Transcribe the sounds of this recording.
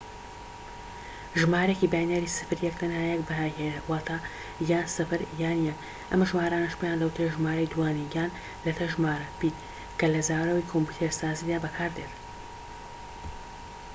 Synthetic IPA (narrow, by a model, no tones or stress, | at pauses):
ʒɨmaːɾekibaːjneɾisɨ̥fɨɾjɛk̚t̪ʰɐnhaːjɛkbɐɦaːhewaːt̪ʰaː | jaːnsɨfɨɾjaːnjɛk | ʔɐmʒmaːɾaːnɐʃpjaːnlɐwt̪ʰɾeʒmaːɾɐjd̪uwaːniɡaːn | lɐt̪ʰɐʒmaːɾɐbiː | kɐlɐzaːɾɐwikʰompuːt̪ʰeɾsaːziːd̪aːbɐkʰaːɾd̪eːt̪